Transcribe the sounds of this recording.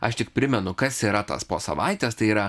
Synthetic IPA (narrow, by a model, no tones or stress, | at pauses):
ɐ̰ʃt̪ʲɪk̚pʲɾʲɪmʲɛnʊkɐsiːɾɐt̪ɐ̰spoːsɐ̰ʋɐɪt̪ʲɛːst̪ɐɪiːɾɐ